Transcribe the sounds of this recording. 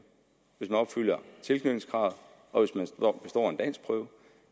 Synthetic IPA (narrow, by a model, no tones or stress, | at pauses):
ʋe̝smænɒ̽b̥fyl̰jɐt͡sʰe̝lkʰnyd̥n̩sɡ̥ʁɑ̈ːð̩ˠ | ɒ̽ʋe̝smænsɒb̥e̝sd̥ɒ̰ːe̝nd̥æn̰sɡ̥̚pʰʁœːʊ